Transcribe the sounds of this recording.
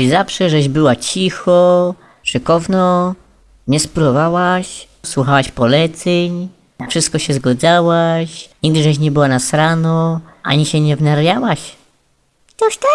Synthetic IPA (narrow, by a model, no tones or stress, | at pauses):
zafʂɛʐɛʑbɘwat͡ɕixɔ | ʂɨkɔvnɔ | ɲɛspɾɔvawaɕ | swuxawaɕpɔlɛt̪sɛɲ | nafʂɘst̪̚kɔɕɛzɡɔd̪zawaɕɲiɡ̚d̪ɘʐɛɕ̬ɲɛbɘwanasɾanɔʔa̰ɲiɕɛɲɛvnaɾjawaɕ | t̪ɔʃt̪ɛ